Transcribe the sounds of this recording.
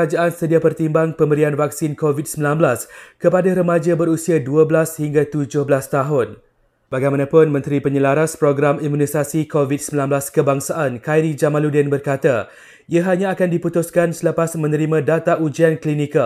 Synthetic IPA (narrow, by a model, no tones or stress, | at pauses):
ad͡ʒaʔansədiapərt̪imbaŋpəmbəɾianvak̚sinkovit̚səmbilanbəlaskəpadaɾəmad͡ʒabəɾusiaduəblashiŋɡat̪ud͡ʒʊhbəlast̪aɦʊn | b̥aɡajmãnãpʊnmə̃nt̪ɾipəɲəlaɾaspɾoɡɾamimũnisasikovit̚səmbilanblaskəbaŋsaʔankajɾid͡ʒamãludɛnbərkat̪a | iaɦaɲãakandiput̪ʊskansələpasmə̃nəɾimãdat̪aʔud͡ʒianklinika